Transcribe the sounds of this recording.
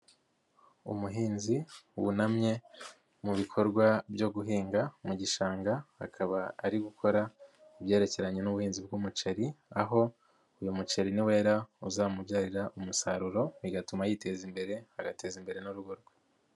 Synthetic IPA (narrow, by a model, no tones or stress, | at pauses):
ṵmuɦiːnziwṵnamɲe̞ | muβikʰo̞ɾɡwabjo̞ɡuɦiːŋɡamuɟiʃaːŋɡaha̰kʰaβaaɾiɡukʰo̞ɾa | iβje̞ːɾe̞ce̞ɾaɲe̞nuβuhiːnzib̚ɡumut͡ʃeɾiaɦo̞ | ujumut͡ʃeɾiniwe̞ːɾauzaːmubɟaːɾiɾaʔumusaɾuɾo̞βiɡatumajite̞zimbe̞ɾe̞haɡate̞zimbe̞ɾe̞nuɾuɡoɾɡwa